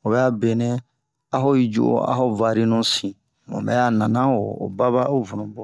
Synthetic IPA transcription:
o˨bɛ˦a˦bẽ˨nɛ̃˦ | a˦ɦɔ˦i˨d͡ʒṵ˦ʔo̰˦a̰˦ɦɔ˦va˨ɾi˦nũ˦sĩ˨ | mõ̰˨mɛ̰˦ja˦nã˨nã˦o˨o̰˨ba˦ba˦o˦vu˨nũ˨bɔ˨

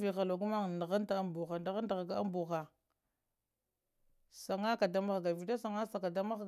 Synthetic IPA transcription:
vi˨xa˨lo˨ɡu˦ma˦ŋ˨na˨ɣa˦nta˨a˦mbu˨xa˨nda˨ɣa˦ta˨ɣa˨ɡa˦a̰˦mbu˨xa˨ | sa˨ŋa˦ka˨da˦ma˦ɣɡa˨vi˨ta˦sa˨ŋa˦sa˨ka˨da˦ma˦ɣ

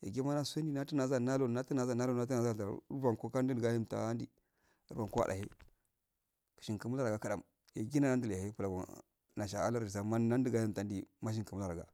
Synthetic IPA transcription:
ja̰˨ɡe˦ma˦na˦su˦e˦n˦di˦na˦tu˦na˨za˦na˦lo˦˨na˦ti˦na˨za˦˨na˦lo˦˨na˦u˦na˨za˦˨ta̰˨˦va˨ko˦ka˦di˦˨ɡa˦ji˦mta̰˨a˦ndi˨˦ | ɾa˨ko˦a̰˨da̰˨ḛ˦ | ki̥˨ʃi˨nkə˨mu˦la˦ɾa˨ɡa˨ka˦da˨m | ja˨ɡi˦na˦na˦n˦di˦la˨he˦pu˨la˨ɡa˨ | na˨ʃa˨a̰˦la˦ɾi˨s̬a˨ma˦na˦n˦di˦ɡa˦ji˦˨m˨ta˨˦n˦di˨ma˦ʃ̬i˦ŋkə˨mu˦la˨ɾa˨ɡa̰˨

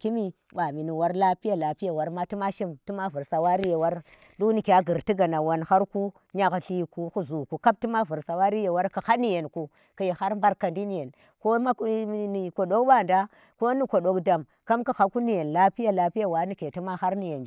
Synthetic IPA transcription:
ki˦mi˦ | ɓa˨mi˨ni˨wa˨˦ɾla˦pi˦ja˨la˨pi˦ja˦˨wa˨ɾma˦ti˦ma˦ʃi˦mti˦ma˦vu˨ɾsa˨wa˦ɾi˦je˨wa˦ɾ | ɗu˦ni˨kʲa˦ɡi˨ɾti˦ɡa˨na˨wa˨nxa˦ɾku˦ | ɲa˨kɬi˦ku˦xu˦zu˨ku˨ka˦p̚ti˦ma˦vu˨ɾsa˨wa˦ɾi˦je˨wa˦ɾka˨xa˦ni˦je˨nku˨ | ka˨je˨ha˦ɾmba˦ɾka˨ndi˦ni˨je˨n | ko˦a˦ni˨ko˨ɗo˦kba˦˨nda˦ | ko˦ni˦ko˨ɗo˨kda˨m | ka˦mka˨xa˨ku˦ni˨je˨nla˦pi˦ja˨la˨pi˦ja˦wa˨˦ni˦ke˨ti˦ma˦xa˦ɾni˨je˨n˦

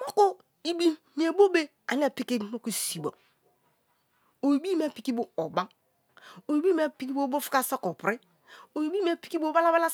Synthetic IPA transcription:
mo˦ko˦ | i˨bi˦ | n˨e˨bo˦be˦ | a̰˨n˦e˦˨pi˦ki˦mo˦ku˨si˨bo̰˨ | o˨i˨bi˦me˦˨pi˨ki˦bo˨o˨ba˦ | o˨i˨bi˦me˦pi˦ki˦bo˦bo˦fi̥˦ka˦sa˦ko˨pɾi˦ | o˨i˨bi˦me˦˨pi̥˨˦ki˦bo˦˨˦ba˦la˦ba˦la˦

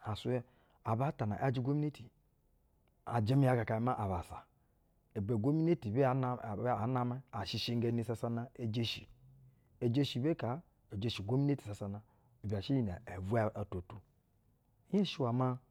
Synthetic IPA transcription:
a˨su˦e˦ | a˨ba˦ta˨na̰˨ʔa˦d͡ʒi˦ɡo˦mi˦e˦ti˨ | a̰˨d͡ʒe˦mi˦ja˦ka˨ka˨i˨˦ma˦ʔa˨βa˨sa˨ | e˨be˨ɡo˦mi˦ne˦ti˨be˦˨˦a˨˦na˦ma˦a˨ʃi˦˨ʃi˦ŋ˦ɡe˦ni˦sa˦sa˦na˦e˦d͡ʒe˦ʃi˨ | e˨d͡ʒe˦ʃi˨be˦ka˨ | e˨d͡ʒe˨ʃi˨ɡo˦mi˦ne˦ti̥˨sa˨sa˨na˨ | e˨ba˨ʃi˦jna˨e˨vu˦a˦a˨to˨tu˨˦ | je˦ʃi˦wa˨ma˦

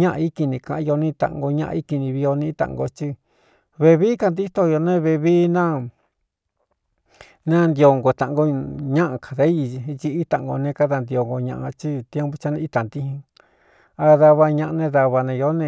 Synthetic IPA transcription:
ɲã˦ʔa˧i˦ki˧nĩ˧kã˧ʔjo˧nĩ˦˧t̪ã̰˨ŋɡo˧ɲã˦˧ʔi˦ki˧nĩ˧βi˧o˧nĩ˦t̪ã̰˨ʔɡo̰˧t͡ʃi˦ | βe˧βi˦ka˧nd̪i˦t̪o˧jo˧nẽ˦βe˧βi˦nã˦ | nã˦˧nd̪i˧o˧˨ŋɡo˨t̪a˨ʔŋɡo˧ɲã˦ʔã˧ka˨ðe˦˧t͡ʃi˧i˦t̪ã˨ʔɡo̰˧nẽ˧ka˦ða˧nd̪i˧o˧ŋɡo˧ɲã̰˧ʔa˧t͡ʃi˦t̪je˦mbo˧t͡ʃa˧nẽ˧i˦˧t̪a˨nd̪i˦hĩ˧ | a˧ða˧βa˧ɲã˧ʔa˧nẽ˧ða˧βa˧nẽ˧jo˦nẽ˧

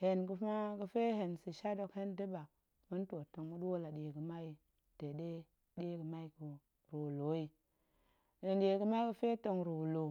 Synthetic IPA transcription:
he˨nku˦fa˦kə˦fe˦ɦe˨nsi˨ʃa˦do˦˨khe˦ndi˦ba˨k̚ | mi˦n˦to˨to˨ŋmu˦dwo˦la˨de˨ɡə˨ma˦ji˨ | te˨de˦ | de˦kə˨ma˦i˦ku˨ | ɾo˨lo˨˦ji˨ | ni˨ɗe˨ɡə˨˦ma˦kə˦fe˦to˨ŋɾo˨lo˨

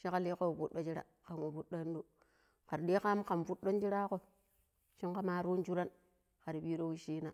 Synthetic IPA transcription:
ʃi˦ka˦li˦ko˦wvu˦ɗːo˦d͡ʒi˦ɾa̰˨ | ka˨ŋwo˨vu˦ɗo˦n˦do˨ | ka˨ɾɗi˦ka˦mka˨mvu˦ɗːo˦n˦d͡ʒi˦ɾa˦ko˦˨ | ʃi˦ŋka˦maː˦ɾu˦n˦d͡ʒu˦ɾa˦n | ka˨ɾi˨ɓi˦ɾo˦wi˦ʃiː˦na˨

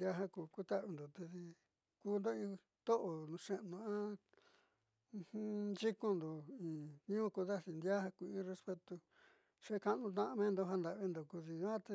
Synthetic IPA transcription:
ja˦ɦã˦ku˧ku˦t̪a˦ʔβi˧nd̪o˨t̪e˧si˧ | kuː˦˧nd̪o˦ĩ˧ | t̪o˦ʔo˨nũ˧ʂẽ˦ʔnũ˧ã˦ | ũ˧hũ˦d͡ʒi˦ko˧nd̪o˨ĩː˨ɲũ˦ũ˦ko˧ða˦si˧nd̪ja˦ha˧ku˧ĩ˦re˧spe˧t̪u˧ | ʂe˦ka˧˦nũ˧t̪̬ã˧mẽ˦nd̪o˧ɦã˧nd̪a˧ʔβi˧nd̪o˧ku˧ðĩ˧˦a˦t̪e˧

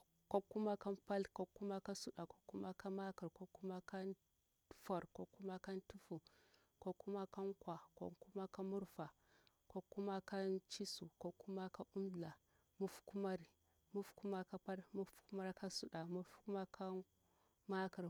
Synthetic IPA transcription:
ko˦kːu˦ma˦ka˦mpa˦lko˦kːu˦ma˦ka˦su˦ɗa˨ko˨˦kːu˦ma˦ka˦ma˦ka˨ɾko˦kːu˦ma˦ka˦n˦ | fa˨ɾko˦ku˦ma˦ka˦ntu˦fu˨ | ko˦ku˦ma˦ka˦ŋkwa˨ko̰˦ku˦ma˦ka˦mu˦ɾfa˨ | ko˦ku˦ma˦ka˦nt͡ʃi˦su˨ko˦kːu˦ma˦ka˦u˦mɮa˨ | mu˦fku˦ma˦ɾi˨ | mu˦fku˦ma˦ka˦pa˦lmu˦fku˦ma˦ɾka˦su˦ɗa˨mu˦fku˦ma˦kʰa˦ | ma˦ka˨ɾ

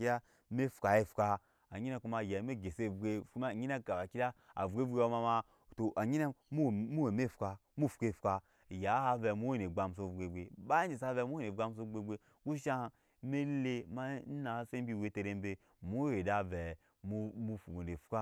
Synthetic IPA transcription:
i˦a˦ | me˦fu̥˨ka˨je˦fka˧ | a˨ɲi˦ne˦ku˦ma˧jɛ˨˦me˦ɡe˨se˦˨vɡe˨ku˦ma˦˨ɲi˦na˦ka˨ba˨ki˦da˦a̰˨vɡe˦vɡe˦wo˦ma˧ma˧ | to˨ʔa˨ɲi˦na˦m˦˨mu˦we˨me˦˨fka˧mu˦˨fu̥˨ke˦˨fka˧˨ | ja˨˦ha˦vɛ˨mu˦we˦ne˨ɡ͡ba˧m˨s̬o˨vɡe˨ɡe˨ba˦i˦d͡ʒi˨s̬a˦vɛ˧˦mu˦e˦ne˨ɡa˧ms̬o˧ɡ͡be˧ɡ͡be˨ | ku˦ʃa˦ | me˦le˦ma˦n̩˦na˨˦se˦bʲi˦we˨˦te˧ɾe˦m˦be˦ | mu˦e˨da˦vɛ˨ | mu˦mu˧fu˨o˨nde˨fka˦

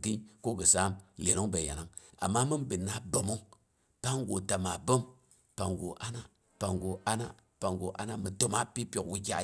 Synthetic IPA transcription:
ɡi˦ko˦ɡə˨sa˦mje˨no˦ŋbe˨ja̰˨na˦ŋa̰˨mːa˦mɨ˦nbi˨nːa˦bo˨mo˦ŋ | pa˦ŋ˦ɡo˨ta˨ma˨bo˦m | pa˨ŋɡo̰˨ʔa˦na˦ | pa˨ŋɡo˨ʔa˦na˦ | pa˨ŋɡo˨ʔa̰˦na˦mə˨to˦ma˦pi˦pjo˨kwi˦kʲa̰˦

